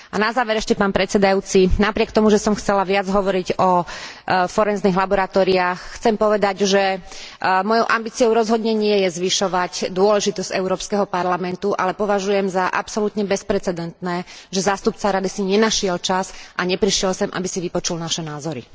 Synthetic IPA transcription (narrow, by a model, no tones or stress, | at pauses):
anazaːʋɛɾɛʃcɛpaːnpɾɛt͡sɛd̪ajuːt͡sinapɾɪɛkt̪ɔmuʒɛsɔmxt͡sɛlaʋɪad͡zɦɔʋɔɾiɟɔ | fɔɾɛnzniɣlabɔɾat̪ɔːɾiaːxxt͡sɛmpɔʋɛd̪aɟʒɛ | mɔjɔʊʔambiːt͡sijɔʊɾɔzɦɔd̪ɲɛɲɪɛjɛzʋiʃɔʋaɟd̪ʊɔlɛʒit̪ɔz̥ɟ̥ɛʊɾɔːpskɛɦɔpaɾlamɛnt̪uʔa̰lɛpɔʋaʒujɛmzaʔapsɔlut̪ɲɛbɛspɾɛt͡sɛd̪ɛnt̪nɛːʒɛzaːst̪up̚t͡saɾad̪isiɲɛnaʃɪɛlt͡ʃasʔaɲɛpɾiʃɪɛlsɛmʔa̰bisiʋipɔt͡ʃulnaʃɛnaːzɔɾḭ